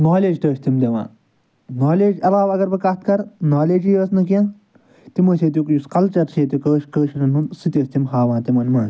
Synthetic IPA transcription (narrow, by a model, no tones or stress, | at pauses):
noːleːd͡ʒt̪əːʃʲt̪imd̪eʋa̰ː | naːleːd͡ʒɐɾaːʋɐɡɐɾbɨkɐt̪kɐɾnaːleːd͡ʒijəːsnɐkijãː | t̪imɐseːt̪̬jukjuskɐlt͡ʃɐɾseːt̪̬ukəːʃkəːʃɾɐnɦunsɨt̪ʲəːst̪imɦaːʋãːt̪imɐnmɐɳ